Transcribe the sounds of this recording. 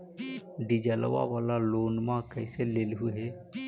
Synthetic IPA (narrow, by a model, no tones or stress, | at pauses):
ɖid͡ʒəl̰ʋa̰ʋaːlaloːnmãkəɪseleːlɦʊeɦɛː